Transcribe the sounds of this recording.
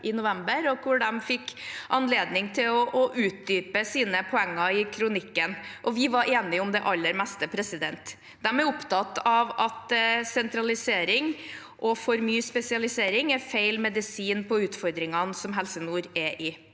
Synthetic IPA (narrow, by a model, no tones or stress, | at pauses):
ʔɪnʊʋɛmbəɾɔkʰʊɖɛmfɪkːʔɑnleːd̪nɪŋt̪ʰɪlɔʔɔʔʉːt̪̚d̪yːpəsiːnəpʰɔɛŋːɑɪkʰɾʊnɪkːənʔɔʋɪʋɑɾʔeːnɪʊmd̪ɛʔɑlːəɾmɛst̪əpʰɾɛsɪd̪ɛnt̪ | d̪̥ɛmæɾʊpt̪ʰɑt̪ːɑʋɑt̪sɛnt̪ɾɑlɪseːɾɪŋ | ʔɔfɔɾmyːspɛsɪɑlɪseːɾɪŋɛfeɪlmɛd̪ɪsiːnpʰɔʉːt̪fɔɾd̪ɾɪŋɑnsɔmɦɛlsənuːɾɛʔɪ